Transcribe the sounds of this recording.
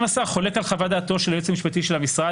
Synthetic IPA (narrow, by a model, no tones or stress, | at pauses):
masaχo̞le̞kalχavad̪aːt̪o̞ʃeljot͡samiʃpat̪iʃelhamisʁa